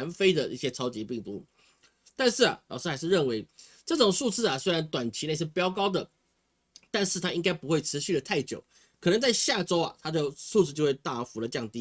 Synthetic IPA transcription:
nfe˥ɪd̪ə˨ḭ˥˩ɕjɛ˥ʈ͡ʂʰɑ˥ʊt͡ɕi˧˥pi˥˩ŋt̪u˧˥ | t̪a˥˧nʂɻ̩˥˩ɐ̰˨˩lɑ˨˩ʊʂɻ̩˥xa˧˥ɪʂɻ̩˥˧ɻə˥˩nwe˧˥ɪʈ͡ʂɤ˥˩ʈ͡ʂʊ˨˩ŋʂu˥˧t͡sɹ̩˥˩ɐ˨˩swe˥ɪɻa˧˦˥nt̪wa˨˩nt͡ɕʰi˧˥ne˥˧ɪʂɻ̩˥˩pjɑ˥ʊkɑ˥ʊd̪ə˨ | t̪a˥˧nʂɻ̩˥˩t̪ʰa˥i˥ŋka˥ɪpu˧˥xwe˥˩ɪʈ͡ʂʰɻ̩˧˥ɕy˥˩də˩t̪ʰa˥˩ɪt͡ɕjo̰˨˩˦ʊ | kʰɤ˨˩ə˧˦ŋt͡sa˥˧ɪɕja˥˩ʈ͡ʂo˥ʊɐ̰˨t̪ʰa˥d̪ə˨ʂu˥˧t͡sɹ̩˥˩t͡ɕjxwe˥˧ɪt̪a˥˩˥fu˧˥lə˨˧t͡ɕjɑ˥˧ŋt̪i˧˥

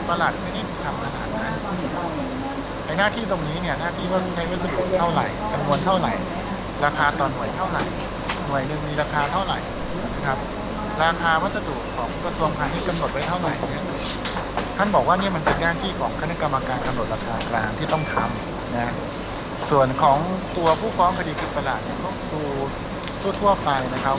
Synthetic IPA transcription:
pa˧la˨˩t̪̚ma˥˩djt̪ʰːt̪ʰa˧mk̪ʰa˧na̰ː˨˩˦t̪̚ma˧˩jɯ˧ | na˧jnaː˥˩t̪ʰiː˥˩t̪o˧ŋniː˦˥ni˥˩ɐnaː˥˩t̪ʰiː˥˩aː˥˩kʰu˧˥˩t͡ɕʰa˦˥jwa˦˥t̪̚sa˧dṵ˨˩t̪ʰa˥˩wɾa̰˨˩jka˧mnu˧ənt̪ʰa˥˩wɾa̰˨˩j | ɾaː˧kʰaː˧t̪ɔː˨˩nːu˨˩əjt̪ʰa˥˩wɾa̰˨˩j | nu˨˩əjnɯ˨˩ŋmiː˧ɾaː˧kʰaː˧t̪ʰa˥˩wɾa̰˨˩j | na˧˥kʰa˦˥p̚ | ɾaː˧kʰaː˧wa˦˥sa˧du˨˩kkʰːɔː˩˦ŋkɾa˧su˧əŋpʰaː˧ŋt̪ʰiː˥˩ka˧mno˨˩t̪̚wa˦˥jt̪ʰa˥˩wɾa̰˨˩˦jni˦˥˩ɐ | k̪ʰa˥˩nbɔː˨˩k̚waː˥˩ni˥ɐ˨ma˧npe˧nɡaː˥˩nt̪ʰiː˥˩kʰɔː˩˦ŋkʰa˧na˦˥ka˧mːa˧kaː˧nka˧mno˨˩t̪̚ɾaː˧kʰaː˧klaː˧ŋt̪ʰiː˥˩t̪ɔ˥˩ŋt̪ʰa˧m | na˦˥ | su˨˩ənkʰɔː˩˦ŋt̪u˧ɐpʰuː˥˩fɔː˦˥ŋkʰa˧diː˧kʰɯ˧˩sa˧laː˨˩t̪̚ni˥˩ɐkʰɔ˥˩suː˧ | t̪ʰuː˥˩t̪ʰu˥˩əpa˧jna˦˥kʰa˦˥p̚

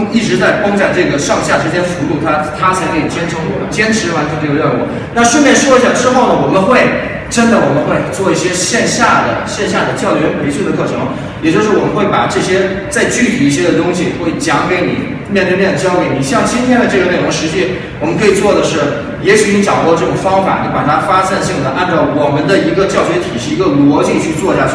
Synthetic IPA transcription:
i˥˩ʈ͡ʂɻ̩˧˥t͡sa˥˩ɪpɑ˥ŋa˥˧ʈ͡ʂɤ˥˩ɡə˩ʂɑ˥˧ŋɕja˥˩ʈ͡ʂɻ̩˥t͡ɕjɛ˥nfu˧˥t̪u˥˩t̪ʰa˥t̪ʰa˥t͡sʰa˧˥ɪkʰɤ˧˥i˨˩t͡ɕjɛ˥nʈ͡ʂʰʊ˧˥ŋ˥t͡ɕjɛ˥nʈ͡ʂʰɻ̩˧˥wa˧˥nt͡ɕʰɛ˧˥nʈ͡ʂɤ˥˧˩ɡə˧ljɑ˥˧kwɔ̰˥˩˦ | na˥˧ʂwə˥˧mjɛ˥˩nʂwɔ˥i˥ɕa˥˩ʈ͡ʂɻ̩˥xo˥˩ʊnə˩wɔ˨˩mə˦nxwe˥˩ɪ | ʈ͡ʂə˥nd̪ə˨wɔ˨˩mə˦nxwe˥˧ɪt͡swɔ˥˧i˥˩ɕjɛ˥ɕjɛ˥˧nɕja˥˩d̪ə̰˩ɕjɛ˥˧nɕ̬ja˥˩d̪ə˩t͡ɕjɑ˥˩ʊɥɛ˧˥npʰe˧˥ɪɕu˥˩d̪ə˩kʰɤ˥˩ʈ͡ʂʰɤ˧˥ŋlɐ˧˩ | jɛ˨˩t͡ɕjo˥˧ʊʂɻ̩˥˩wɔ˨˩mə˦nxwe˥˩ɪpa̰˨˩ʈ͡ʂɤ˥˩ɕjɛ˥ | t͡sa˥˧ɪt͡ɕy˥˩t̪ʰi˨˩i˥˩ɕ̬jɛ˥d̪ə˨t̪ʊ˥ŋɕi˨xwe˥˩ɪt͡ɕjɑ˧˥ŋke˧˥ɪnḭ˨˩˦ | mjɛ˥˧nt̪we˥˧mjɛ˥˩nd̪ə˩t͡ɕjɑ˥ʊke˧˩ɪni˨˩ɕjɑ˥˧ŋt͡ɕi˥nt̪ʰjɛ˥nd̪ə˨˧ʈ͡ʂɤ˥˩ɡə˩me˨˩ɪʈ͡ʂʊ˧˥ŋʂɻ̩˧˥t͡ɕi˥ | wɔ˨˩mə˦nkʰɤ˧˥i˨˩t͡swɔ˥˩d̪ə˩ʂɻ̩˥˩ | jɛ˧˥ɕy˨˥ni˥ʈ͡ʂɑ˨˩ʊt̪wɔ˥˧ʈ͡ʂɤ˥˩ʈ͡ʂʊ˨˩ŋfɑ˥ŋfa̰˨˩ni˧˥pa˨˩t̪ʰa˥fa˥sa˥˧nɕi˥˩ŋd̪ə˩ʔa˥˧nʈ͡ʂɑ˥˩ʊwɔ˨˩mə˦nd̪ə˧i˧˥ɡə˧t͡ɕjɑ˥˩ʊɕɥɛ˧˥t̪ʰi˨˩ʂɻ̩˥˩i˧˥ɡə˧lwɔ˧˥t͡ɕi˥˧ŋt͡ɕʰy˥˧t͡swɔ˥˧ɕja˥˩˥

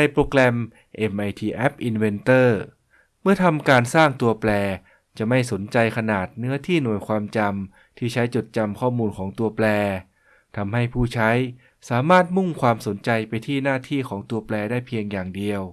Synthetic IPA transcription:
da˧jpɾoː˧klɛ˧m | ʔe˧mʔa˧jt̪ʰiː˧˩ʔɛ˦˥p̚ʔi˧nwe˧nt̪ɤː˥˩ | mɯ˥˩ɐt̪ʰa˧mkaː˧nsaː˥˩ŋt̪u˧ɐplɛː˧ | t͡ɕa˨˩ma˥˩jso˩˦nt͡ɕa˧jkʰa˧naː˨˩t̪̚nɯ˦˥ɐt̪ʰiː˥˩nu˨˩əjkʰwaː˧mt͡ɕa˧m | t̪ʰiː˥˩t͡ɕʰa˦˥jt͡ɕo˨˩t̪̚t͡ɕa˧mkʰɔː˥˩muː˧nkʰɔː˩˦ŋt̪u˧ɐplɛː˧ | t̪ʰa˧mha˥˩jpʰuː˥˩t͡ɕʰa˦˥j | saː˩˦maː˥˩t̪̚mu˥˩ŋkʰwaː˧mso˩˦nt͡ɕa˧jpa˧jt̪ʰiː˥˩naː˥˩t̪ʰiː˥˩kʰɔː˩˦ŋt̪u˧ɐplɛː˧daː˥˩jpʰi˧əŋjaː˨˩ŋdi˧əw

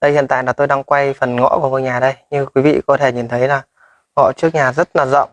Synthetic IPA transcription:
ɗə˧jhḭ˧˨nt̪a̰ː˧˨jlaː˨˩t̪o˧jɗaː˧ŋkwa˧jfə˨˩nŋɔ̰˧˥ku˧˩əmo˧˩jɲaː˨˩ɗə˧jɲɨ˧ŋkwi˨˦vḭ˧˨kɔ˨˦t̪ʰe˧˩ɲi˨˩nt̪ʰə˨˦jlaː˨˩ | ŋɔ̰˧˨t͡ɕɨ˦˥ək̚ɲaː˨˩zə˦˥t̚laː˨˩zə̰˧˨wŋ͡m

